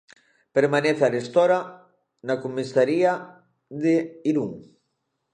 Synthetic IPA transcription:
peɾmaneθarest̪oɾa | nakomisaɾia | ðeiɾuŋ

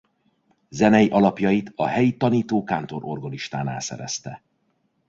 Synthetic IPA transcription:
zɛnɛjiʔɒlɒpjɒjit̪ɒɦɛjit̪ɒniːt̪oːkaːnt̪o̞ɾo̞rɡɒniʃt̪a̰ːna̰ːsɛ̰ɾɛ̰st̪ɛ

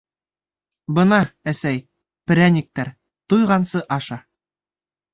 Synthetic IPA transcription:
bɤ̆nɑæsæj | pɘ̆ɾʲænʲik̚t̪æɾ | t̪ujʁɑnsɤʔɑʃɑ

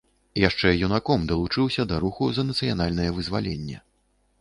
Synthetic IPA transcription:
jaʂt͡ʂɛjunakɔmd̪ɐlˠut͡ʂɨwsʲɐd̪ɐɾuxuzɐnɐt̪sɨjanalʲnɐjɛvɨzvalʲɛnʲːɛ̰

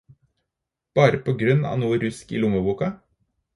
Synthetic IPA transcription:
b̥ɑːɾəpʰoːɡɾʉnɑ̰ːnuːɾʉskḭːlʊməbuːkɑ

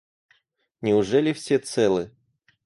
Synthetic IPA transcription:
nʲɪʊʐɛlʲɪfsʲet̪sɛlˠɨ

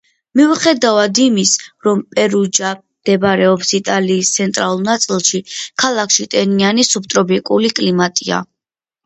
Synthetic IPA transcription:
miχɛd̪avad̪imisɾɔmpʼɛɾud͡ʒa | d̪̥ɛbɾɛɔpsit̪ʼaliːst̪sʰɛnt̪ʼɾalˠulˠnat̪sʼilˠʃikʰalˠakʰʃit̪ʼɛnianisup̚t̪ʼɾɔbikʼulikʼlimat̪ʼia̰

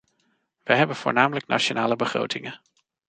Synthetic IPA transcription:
ʋəɦɛbənv̥ʊːɹnaːmələknʔa̰t͡ʃonaːləbəχro̰wtɪŋən

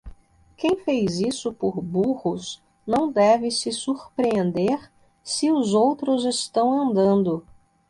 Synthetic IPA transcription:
kẽj̃fejzisʊpʊɾbuʁʊs | nɐ̃w̃d̪ɛvɪsɪsuɾpɾẽnd̪eɾ | sɪʊzowt̪ɾʊzɪst̪ɐ̃w̃ɐ̃nd̪ɐ̃nd̪ʊ

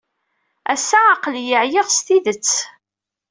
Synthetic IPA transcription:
æsːaːqljəʕjeʁst̪iðət͡sː

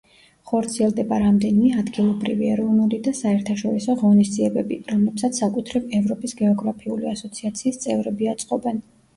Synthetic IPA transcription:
χɔɾt̪sʰiɛlˠd̪ɛbaɾamd̪ɛnimɛad̪ɡilˠɔbɾḭviɛɾɔvnulid̪asaɛɾt̪ʰaʃɔɾisɔʁɔnisd̪ziɛbɛbiɾɔmlɛpsat̪ssakʼut̪ʰɾivɛvɾɔpʼisɡɛɔɡɾapʰiuliasɔt̪sʰiat̪sʰiːst̪sʼɛvɾɛbiat̪sʼqʼɔbɛn

